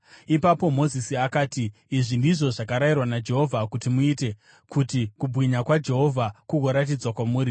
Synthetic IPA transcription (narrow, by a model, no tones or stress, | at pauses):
ipapo̞mo̞zisiakaːtiːʐindiʐo̞ʐakaɾajirwanad͡ʒe̞ɦo̞vʱakutimuite̞ | kʰutikubʱwiɲakwad͡ʒe̞ɦo̞vʱakuɡʱo̞ɾat̬id͡zwakwamuːɾi